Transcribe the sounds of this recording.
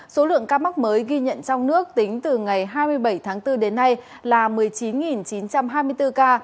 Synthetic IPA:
so˨˦lɨ̰˧˨əŋkaː˧ma˦˥k̚məː˨˦jɣi˧ɲə̰˧˨nt͡ɕɔ˧wŋ͡mnɨ˦˥ək̚t̪ï˨˦ŋ̟t̪ɨ˨˩ŋa˨˩jɦaː˧jmɨ˧əjɓə˧˩jt̪ʰaː˨˦ŋt̪ɨ˧ɗe˨˦nːa˧j | laː˨˩mɨ˨˩əjt͡ɕi˨˦nŋi˨˩nt͡ɕi˨˦nt͡ɕa˧mɦaː˧jmɨ˧əjt̪ɨ˧kaː˧

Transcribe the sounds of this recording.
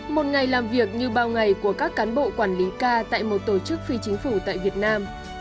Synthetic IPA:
mo˨˩t̚ŋa˨˩jlaː˨˩mvi˨˩ək̚ɲɨ˧ɓaː˨˧˩wŋa˨˩jku˧˩əkaː˦˥kːaː˨˦nɓo̰˧˨kwaː˧˩nli˨˦kaː˧t̪a̰ː˧˨jmo˨˩t̚t̪o˧˩t͡ɕɨ˦˥k̚fi˧t͡ɕï˨˦ŋ̟fu˧˩t̪a̰ː˧˨jvi˨˩ət̚naː˧m

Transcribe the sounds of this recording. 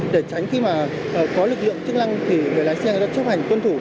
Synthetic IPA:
ɗe˧˩t͡ɕa˨˦jŋ̟xi˧maː˨˩˨ | kɔ˨˦lɨ˨˩k̚lɨ̰˧˨əŋt͡ɕɨ˧əŋna˧ŋt̪ʰi˨˩ŋɨ˨˩jlaː˨˦jsɛ˧ŋza̰ː˧˥t͡ɕə˦˥p̚ha˨˩jŋ̟kwə˧nt̪ʰu˧˩

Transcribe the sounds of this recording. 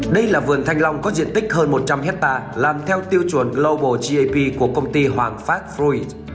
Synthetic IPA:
ɗə˧jlaː˨˩vɨ˨˩ənt̪ʰa˧jŋ̟la˧wŋ͡mkɔ˨˦zḭ˧˨ənt̪ï˦˥k̟̚həː˧nmo˨˩t̚t͡ɕa˧mhɛ˦˥t̚t̪aː˧laː˨˩mt̪ʰɛ˧wt̪i˧əwt͡ɕwu˨˩ənlə˧wɓo˧˩t͡ɕi˧ʔə˧pi˧ku˧˩əkə˧wŋ͡mt̪i˧hwaː˨˩ŋfaː˦˥t̚fu˧i˧˩

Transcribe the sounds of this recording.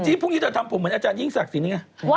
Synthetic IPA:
t͡ɕiː˧˦˥pʰu˥˩ŋniː˦˥t̪ʰa˧˩t̪ʰa˧mpʰo˨˦mːɨ˨˦˥nʔa˧t͡ɕaː˧nji˥˩ŋsa˨˩k̚si˨˦n˧˩ŋa˧˩

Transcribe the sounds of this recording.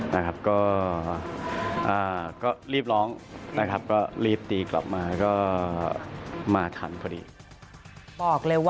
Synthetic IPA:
na˦˥kʰa˦˥p̚kɔː˥˩ | ʔaː˨˩kɔː˥˩ɾiː˥˩p̚lɔː˦˥ŋna˦˥kʰa˦˥p̚kɔː˥˩ɾiː˥˩p̚t̪iː˧kla̰˨˩p̚maː˧kɔː˥˩ | maː˧t̪ʰa˩˦nkʰɔː˧dḭː˧ | bɔː˨˩k̚lɤː˧jw

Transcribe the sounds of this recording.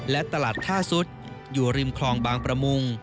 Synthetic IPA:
lɛ˦˥t̪a˧laː˨˩t̪ʰːaː˥˩su˦˥t̪̚ | juː˨˩ɾi˧mkʰlɔː˧ŋbaː˧ŋpɾa˧mu˧ŋ

